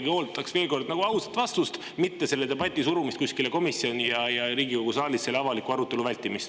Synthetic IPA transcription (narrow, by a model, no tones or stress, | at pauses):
ɡ̥io̞ːlt̪ːˑɑksve̞ːlko̞rd̪nɑɡ̥uɑuset̪ːvɑst̪ust̪ | mit̪ːe̞se̞lːe̞d̪e̞bɑt̪ʲːˑisuɾumist̪kusʲkile̞ko̞misːio̞nʲijɑjɑɾiːɡiko̞ɡ̥usɑːlissːe̞lːeɑvɑlikuɑɾut̪ːˑe̞luvælʲt̪ːˑimist̪